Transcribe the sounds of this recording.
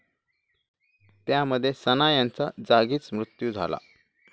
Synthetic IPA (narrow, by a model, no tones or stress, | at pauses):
t̪jaməd̪ʱːjesənajant͡sad͡zaɡiːt͡smɾut̪jud͡zʱa̰la̰